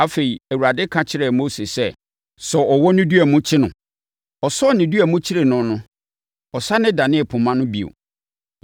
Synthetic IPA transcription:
a˨fe˨i˨æ˨wu˨ɾa˨dɪ˦kʰã˦t͡ɕʰɪ˦ɾɛ˨mo˦se˨sɛ˦ | sɔ˨ʔɔ˨wɔ˦nɪ̃˦du˦æ˨mʊ̃˦t͡ɕʰɪ˦nʊ̃˨ | ɔ˨sɔ˦˨nɪ̃˨du˦æ˨mʊ̃˦t͡ɕʰɪ˦ɾe˨nʊ̃˦nʊ̃˦ | ɔ˨sa˦nɪ̃˦da˨nɪ̃˦˨pʰʊ̃˨mã˦nʊ̃˦bi˨o̰˨

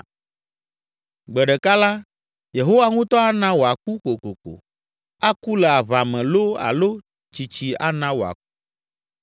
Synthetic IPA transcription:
ɡ͡bɛ˨ɖɛ˨ka˦la˦ | je˨ɦo˦wa˦ŋũ˦t̪ɔ˦a˦nã˦wo˨a˨ku˦ko˨ko˨ko̰˨ | a˦ku˦lɛ˨a˨βa˨mɛ̃˨lo˦a̰˨lo˦ | t͡ʃi˨t͡ɕi˨a̰˦nã˦wo˨a̰˨ku˦

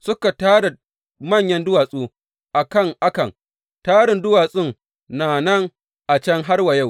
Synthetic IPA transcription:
sʊ˦ka˨taː˦ɽa˨ | mɐ˦˨ɲjɐ˦ndʊ˦waː˨sʼuː˦ | ʔa˨kɐ˦˨ŋʔa˦kɐ˨ŋ | taː˦ɽɪ˨ndʊ˦waː˨sʼɪ˦˨ŋ | naː˨nɐ˦ŋ | ʔa˨t͡ʃɐ˦ŋɦa˦rwɐ˨ja˦w

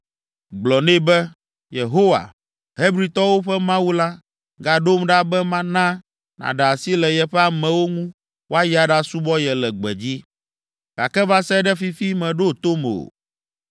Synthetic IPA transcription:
ɡ͡blɔ˨nẽ˦bɛ˦ | je˨ɦo˦wa̰˨ | ɦe˦bɾi˦t̪ɔ˦wo˦ɸɛ˦mã˦wu˦la˦ | ɡa˨ɖo˦mɖa˦bɛ˦mã˦nã˦ | nã̰˨ɖa˨si˦lɛ˨jɛ˦ɸɛ˦a˨mɛ̃˨wo˦ŋũ˦ | wo˦a˦ja˨ɖa˦su˦bɔ˦jɛ˨lɛ˨ɡ͡bɛ̰˨d͡ʑi˦ | ɡa̰˨kɛ˦va˦sɛ˦ɖɛ˦fi˦fi˦mɛ̃˨ɖo˦t̪o˦m˨o̰˨

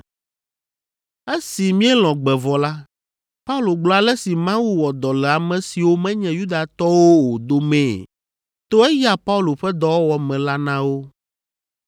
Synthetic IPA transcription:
e˦si˨mĩ˦ɛ˦lɔ̃˨ɡ͡bɛ˨vɔ˨la˦ | pa˦u˦lo˨ɡ͡blɔ˦a˨lɛ˦si˨mã˦wu˦wɔ˨d̪ɔ˨lɛ˨a˨mɛ̃˨si˨wo˦mɛ̃˦ɲɛ̃˨ju˦d̪a˨t̪ɔ˦wo˦wo˨d̪o˦mɛ̃˨ | t̪o˦ɛ˦ja˨pa˦u˦lo˨ɸɛ˦d̪ɔ˦wɔ˦wɔ˨mɛ̃˨la˦nã˦wo˦

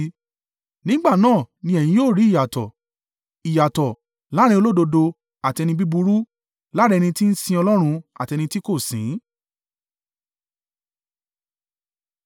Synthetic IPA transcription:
nĩ˦ɡ͡ba˦˨nãː˦˨nĩ˧ɛ˨j̃ĩ˧˦joː˦˨ɾi˨˦˨ja˨tɔ˨ | i˨ja˨tɔ˨ | la˨˦ɾ̃ĩ˧o˧lo˦do˧do˧ | a˨ti˧ɛ˧nĩ˧bi˦bu˧ɾu˦ | la˦ɾɛ˧nĩ˧ti˦n̩˦sĩ˧ɔ˧lɔ˦ɾ̃ũ˧a̰˨ti˧nĩ˧ti˦ko˦˨sĩ˨˦

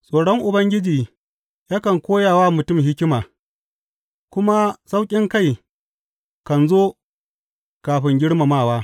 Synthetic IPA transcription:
sʼoː˨ɽɔ˦ŋʔʊ˨bɐ˦ŋɡʲɪ˦d͡ʒiː˨ | jaː˦kɐ˨ŋkʷoː˦jaː˨wa˦mʊ˨tʊ˦˨mhɪ˦kʲɪ˦maː˨ | kʷʊ˦ma˦sa˦wkʲʼɪ˦ŋka˦˨j | kɐ˨nzoː˦ | kaː˨ɸɪ˦ŋɡʲɪ˦ɽma˨maː˦˨waː˦

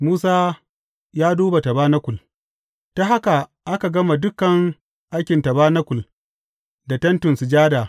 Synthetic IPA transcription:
muː˦saː˦ | jaː˦duː˦ba˨tɐ˨baː˦nɐ˦kʷʊ˨l | ta˦ɦa˦ka˨ʔa˦ka˨ɡɐ˦ma˨dʊ˦kːɐ˨ŋ | ʔa˦jkʲɪ˨ntɐ˨baː˦nɐ˦kʷʊ˨l | da˨tɐ˦ntʊ˨nsu˨d͡ʒaː˦da˨

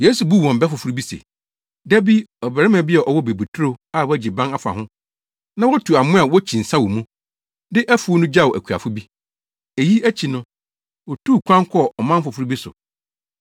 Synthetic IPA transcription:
je˦su˨bu˦˨wɔ̃˨m˨bɛ˦fʊ˨fu˦ɾu˦bi˦sḛ˨ | dæ˦bi˦ɔ˨bæ˨ɾɪ˦mã˨bɪ˦ɛ˨ʔɔ˨wɔ˦be˨bu˨tʰɾo˦a˦˨wɔ˦æ˦d͡ʑɪ˨bã˦na˦fa̰˨ɦʊ̃˦ | nã˦wɔ˦tʰu˨a˨mʊ̃˦a˨wɔ˦t͡ɕʰĩ˨n̩˨sã˦wɔ˨mũ˦ | dɪ˦ʔæ˦fu˦nʊ̃˦d͡ʑa˦˨wʊ˨ʔæ˨kʰu˨a̰˨fʊ˦bi˦ | e˨ji˦æ˦t͡ɕʰi˨nʊ̃˦ | wɔ˨tʰuː˦˨kʷʰã˦ŋ˦kʰɔ˦˨ɔ˨mã˦mfʊ˨fu˦ɾi˦bi˦sʊ̰˨

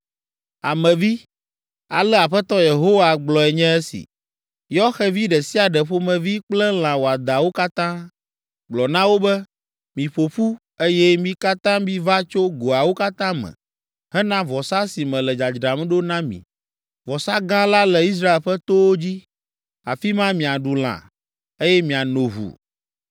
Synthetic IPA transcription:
a̰˨mɛ̃˨vi˦ | a˨lɛ˦a˨ɸɛ˦t̪ɔ˦je˨ɦo˦wa˨ɡ͡blɔ˨ɛ˨ɲɛ̃˦ɛ˦sḭ˨ | jɔ˦xɛ˦vi˦ɖɛ˨si˦a˨ɖɛ˨ɸo˦mɛ̃˨vi˦k͡plɛ˦l̃ã˨wo˨a˨d̪a˨wo˦ka˦t̪ã˦ | ɡ͡blɔ˨nã˦wo˦bɛ˦ | mĩ˨ɸo˨ɸu˦ | e˦jɛ˦mĩ˦ka˦t̪ã˦mĩ˦va˦t͡ʃo˦ɡo˨a˨wo˦ka˦t̪ã˦mɛ̰̃˨ | ɦɛ˦nã˦vɔ˨sa˦si˨mɛ̃˨lɛ˨d͡ʒa˨d͡ʒɾa˨m̃˦ɖo˦nã˦mḭ̃˨ | vɔ˨sa˦ɡã˦la˦lɛ˨i˦s̬ɾa˦e˨lɸɛ˦t̪o˦wo˦d͡ʑi˦ | a̰˨fi˦mã˦mĩ˨a˨ɖu˨l̃ã̰˨ | e˦jɛ˦mĩ˨a˨nõ˨βṵ˨

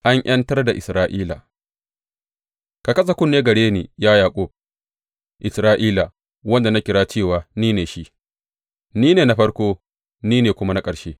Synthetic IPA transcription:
ʔa˦ɲj̰ʔɐ˦ntɐ˦rda˨ʔɪ˨sɾaː˦ʔiː˦la̰˨ | ka˨kɐ˦s̬a˨kʷʊ˦nːeː˦ɡɐ˨ɽeː˦niː˨jaː˦jaː˨kʷʼoː˦b̚ | ʔɪ˨sɾaː˦ʔiː˦la˨ | wɐ˦nda˨na˦kʲɪ˨ɽaː˦t͡ʃeː˦˨waː˨niː˦neː˨ʃi˦ | niː˦neː˨na˦ɸɐ˦ɽkʷoː˦ | niː˦neː˨kʷʊ˦ma˦na˦kʼɐ˨ʃeː˦

